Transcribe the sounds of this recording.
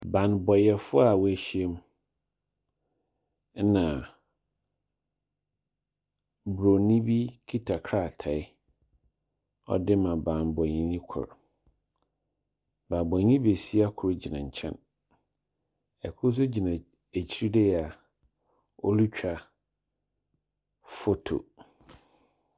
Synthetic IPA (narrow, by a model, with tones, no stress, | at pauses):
bã˨nbɔ˨jɛ˨fʊ˦a˨wæ˨ɕi˦e˦m˦ | nã˨ | bɾo˨nĩ˦bi˦kʰi˦tʰa˨kʰɾa˦˨tʰa˨ɪ˦ | ɔ̰˦dɪ˦mã˨bã˨nbɔ˨ɲĩ˨nĩ˦kʰɔ̰˨ɾ | ba˨bɔ̃˨˦ɲĩ˦be˨si˦a˦kʰʊ˨ɾi˦d͡ʑi˨nã̰˨ɲ̩˨t͡ɕʰɛ̰̃˦n | ɛ̰˨kʰʊ˦s̬ʊ˦d͡ʑi˨nã˨ | e˨t͡ɕʰi˦ɾi˦dɛ˦jɛ˨a˨ | ɔ̰˦lu˦t͡ɕᶣa˦ | fo˦tʰo̰˨